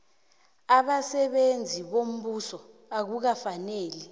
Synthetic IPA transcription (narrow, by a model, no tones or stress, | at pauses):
aɓasɛɓend͡zʱiɓom̩ɓusɔ | ak̬uk̬afaneːli